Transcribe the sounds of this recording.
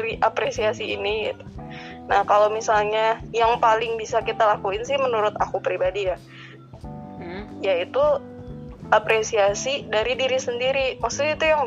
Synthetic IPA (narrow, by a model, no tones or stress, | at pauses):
ɾiʔapɾesiasiːniɡḭt̪u̥ | nahkalawmisalɲajaŋpalɪŋbisakit̪alakuɪnsɪhmənuɾʊt̪akupɾibadija | jait̪u | apɾesiasidaɾidiɾisəndiɾimasuit̪ujaŋ